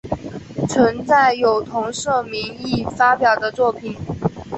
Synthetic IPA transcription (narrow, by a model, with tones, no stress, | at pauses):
t͡sʰwə˧˥ŋt͡sa˥˩ɪjo˨˩ʊt̪ʰʊ˧˥ŋʂɤ˥˩mi˧˥ŋi˥˩fa˥pjɑ˨˩ʊd̪ə˦t͡swɔ˥˩pʰi˨˩˦n